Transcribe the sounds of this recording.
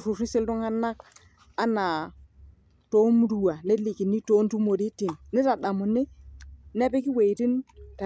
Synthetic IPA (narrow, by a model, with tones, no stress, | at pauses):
ɾu˨ɾi˦sɪ˦ldu˦ŋa˦nːa˦k | a˦na˨ | to˦m˦ɾu˨wa˨ne˦li˨ki˨nːi˦to˦n˦tu˦mo˨ɾi˦ti˨mnɪ˦ta˨da˨mʊ˨nːɪ˦nɛ˦pe˦ki˦we˨ti˦nta˨